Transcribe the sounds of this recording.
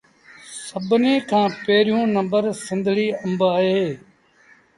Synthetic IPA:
səbneːkʰãːpeːɾijũːnɐ̃mbəɾsɪ̃nd̪ʱɭiːɐ̃mbaːɦeː

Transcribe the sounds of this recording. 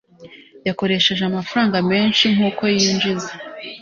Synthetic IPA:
jako̞ɾe̞ʃe̞ʒeamafɾaːŋɡame̞ːnʃiŋ̥uːko̞jiːnd͡ʒize

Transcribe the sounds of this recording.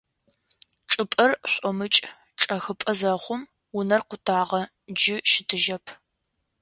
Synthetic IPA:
ʈ͡ʂʼɨpʼɐrɕʷʼɔmɨt͡ʃʼ | ʈ͡ʂʼɐxɨpʼɐzɐχʷʊm | wʊnɐrqʷʊtʰaːʁɐ | d͡ʒɪʃɪtʰɨʒɐpʰ

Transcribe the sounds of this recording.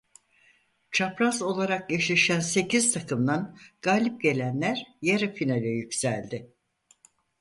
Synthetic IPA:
t͡ʃʰapɾazo̞lˠaɾak̚jeʃlʲiʃænse̞cizt̪ʰakʰɯmd̪anɡ̥aːlʲip̚ɟe̞lʲænlʲæɾjaɾafinalʲɛjycsælʲd̪ɪ

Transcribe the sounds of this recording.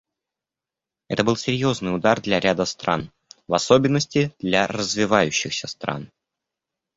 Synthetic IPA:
ɛt̪əbɨlˠsʲɪɾʲjo̞znɨjʊd̪ard̪lʲɐɾʲad̪əst̪ɾa̰n | vɐso̞bʲɪnːəsʲtʲɪd̪lʲarəzvʲɪvajʉɕːɪxsʲəst̪ɾa̰n

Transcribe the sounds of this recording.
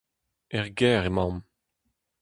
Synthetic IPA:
ɛʁɡɛːʁemɑ̃m

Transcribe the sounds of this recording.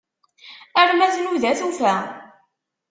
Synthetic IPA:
əɾmæθnuðæθufæ

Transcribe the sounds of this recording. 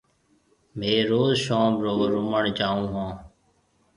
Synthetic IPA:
mẽːɾoːzʃõːmɾoːɾʊməɳt͡ʃaːũːɦãː

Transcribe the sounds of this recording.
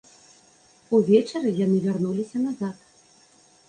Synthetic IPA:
uvʲɛt͡ʂɐɾɨjanɨvʲarnulʲisʲɐnazat̪

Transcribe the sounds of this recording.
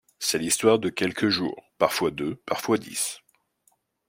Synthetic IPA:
sɛlist̪waʁd̪əkʲɛlkʰəʒṵːʁpaʁfwad̪øpaʁfwad̪ḭs

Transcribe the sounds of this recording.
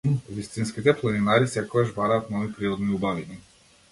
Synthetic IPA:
vist̪inskit̪ɛplˠaninaɾisɛkɔɡaʒbaɾaːt̪nɔvipɾiɾɔd̪niubavini

